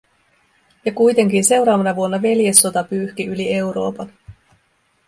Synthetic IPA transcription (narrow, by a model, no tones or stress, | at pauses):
jɑkujt̪e̞ŋk̟inse̞wɾɑːʋɑnɑʋuonːɑʋe̞lje̞sːo̞t̪ɑpyːhkiylie̞wɾo̞̰ːpɑn